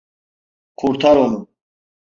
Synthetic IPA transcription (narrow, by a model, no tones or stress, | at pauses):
qʰuɾt̪ʰaɾɔnu